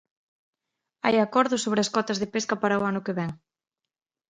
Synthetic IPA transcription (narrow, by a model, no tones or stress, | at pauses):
a̰jakɔɾðʊsoβ̞ɾeaskɔt̪ɐzðepeskɐpaɾawanʊkeβɛŋ